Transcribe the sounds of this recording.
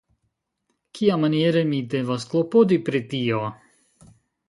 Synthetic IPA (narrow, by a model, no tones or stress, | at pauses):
kʰiamanieɾemide̞vasklopodipɾitio